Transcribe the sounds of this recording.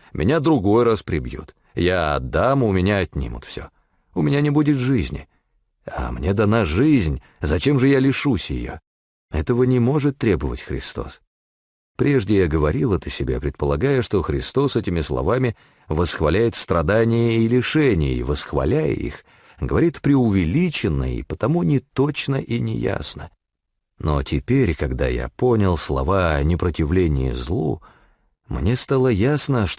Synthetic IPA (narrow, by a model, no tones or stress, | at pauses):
mʲʔɪ̰nʲad̪ɾʊɡo̞jɾaspɾʲɪbjṵt̪ | jaɐ̰d̪amʊmʲɪnʲaːtʲnʲḭmʊ̰t̪fsʲo̰ | ʊmʲɪnʲanʲɪbudʲɪt̪ʐɨzʲnʲɪ̰ | a̰mnʲe̞d̪ɐnaʐɨzʲnʲ | zɐt͡ɕe̞mʐɨjalʲɪʂusʲjɪ̰jo̰ | ɛt̪əvənʲɪmo̞ʐɨt̪ːɾʲebəvə̰tʲxɾʲɪ̰st̪o̞̰s | pɾʲe̞ʐdʲɪjaɡəvɐɾʲilˠət̪ɨsʲɪbʲa̰pɾʲɪt̪̚pəlˠɐɡajəʂt̪o̞xɾʲɪst̪o̞sɛtʲɪmʲɪslˠɐ̰vamʲɪ | vəsxvɐlʲæjɪt̪st̪ɾɐd̪anʲɪjəilʲɪʂɛnʲɪjḭvəsxvɐ̰lʲæjə̰ḭx | ɡəvɐɾʲit̪pɾʲɪʊvʲɪlʲit͡ɕɪnːə̰ḭpət̪ɐmunʲɪt̪ot͡ɕnəʔinʲɪja̰snə | no̰tʲɪpʲeɾʲkɐɡd̪a̰ja̰ponʲɪlˠslˠɐ̰vanʲɪpɾətʲɪvlʲenʲɪ̰jə̰zlˠṵ | mnʲest̪alˠəjasnəʂ